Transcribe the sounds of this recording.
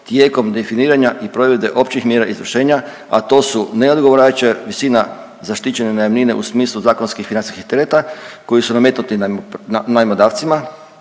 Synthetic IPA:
t̪jeːko̞md̪e̞finiːɾaɲaʔipɾo̞ʋe̞d̪e̞ʔo̞pt͡ɕixmjeɾaʔizɾoʃeːɲa | a̰t̪o̞ːsune̞o̞d̪ɡoʋoɾat͡ɕaʋisiːna | zaʃt̪it͡ɕenanajamninḛʔṵsmiːslˠuzaːkonskixfinant̪iskixt̪eɾet̪ako̞jisuname̞t̪nut̪inanajmod̪aːʋt̪sima

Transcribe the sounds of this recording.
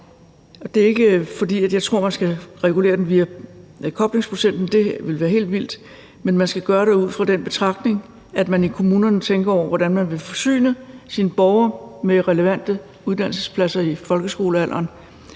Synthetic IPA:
ɒ̽d̥e̝ɐe̝ɡ̥əfɒ̽d̥ḭːæd̥jɑ̈ɪt͡sʰʁo̝ɐ̰mænsɡ̥æʁɛɡ̥ule̝̰ɐd̥en̩ʋiːækʰɒ̽b̥le̝ŋspʰʁo̝sen̰d̥n̩d̥e̝ʋe̝lʋæːɐɦe̝̰ːld̥ʋil̰d̥ | menmænsɡ̥æɡ̥ɶːɐɾ̥euð̞̰ˠfʁɑ̈d̥enb̥e̝t͡sʰʁɑ̈ɡ̥̚d̥ne̝ŋ | æd̥mænikʰo̝muːnɐnət͡sʰeŋɡ̥ɐɒ̰ʊ̰ɐʋɒɾ̥ænmænʋe̝fɒ̽sy̰ːnəsiːnəb̥ɒʊɐmeʁɛləʋæn̰d̥ə | uð̞ˠd̥æn̰l̩səspʰlæsɐifɒ̽lɡ̥əsɡ̥o̝ːləæl̰ʔɐːn

